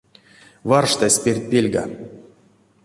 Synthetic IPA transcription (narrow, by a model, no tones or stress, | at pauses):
varʂt̪asʲpʲerʲt̚ʲpʲelʲɡa̰